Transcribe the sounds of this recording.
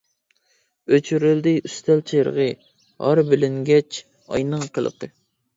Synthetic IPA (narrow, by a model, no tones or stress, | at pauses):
øt͡ʃʰyɾɪld̪ɪyst̪ʰɛlt͡ʃʰeɾ̰ʁɨ | hɑ̰ɾbɪlɪŋɡʲɛt͡ʃ | ɑ̰jnəŋqʰəlˠə̰qɨ